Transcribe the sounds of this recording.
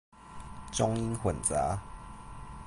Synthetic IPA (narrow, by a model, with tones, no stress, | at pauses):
ʈ͡ʂʊ˦ŋi˦nxwə˨˩nt͡sa̰˨˦